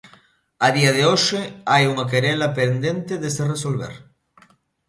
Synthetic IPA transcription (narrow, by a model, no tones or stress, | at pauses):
aðiɐðeoʃeajuŋakeɾelɐpend̪ent̪eðeseresolβ̞ḛɾ